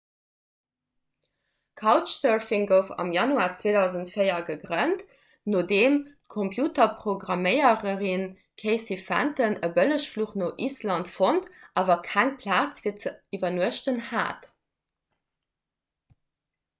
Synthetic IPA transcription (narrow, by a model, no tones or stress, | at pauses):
kʰaʊt͡ʃsɜɹfiŋɡəʊfɑ̰mjɑnuaːt͡sveːdɑʊzəntfəɪɐɡəɡʁənt | noːdeːmtkʰompʰjuːtɐpʁ̥oɡʁɑməɪəʁəʁin | kʰeɪsifæ̰ntənəbələʃfluːχnoːʔislɑntfontʔaːvɐkʰæŋpʰlaːt͡sviːɐt͡səivɐnuəʃtənha̰ːt